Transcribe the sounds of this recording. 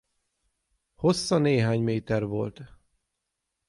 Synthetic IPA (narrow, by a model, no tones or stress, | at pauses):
ho̞sːɒneːɦaːɲmeːt̪ɛrvo̞lt̪